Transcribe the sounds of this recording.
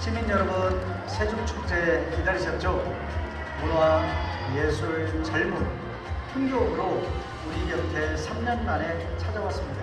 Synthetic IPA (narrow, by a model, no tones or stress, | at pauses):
ɕʰiminjʌɾʌbɯn | sʰed͡ʑok̚t͡ɕʰuk̚t͡ɕ͈ekidaɾiɕʰʌt̚t͡ɕ͈o | konowaje̞sʰut͡ɕʌɭmun | pʰunɡomɾo | uɲiɡiʌtʰe̞sʰamɲʌnmaɾe̞t͡ɕʰad͡ʑawas͈ɯmɲida